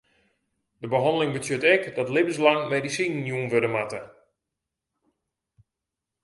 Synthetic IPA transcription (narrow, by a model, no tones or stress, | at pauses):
dəbəɦɑndəlɪŋbətjøtɛkdɔtlɪbəslaŋmedisinjunʋødəmatə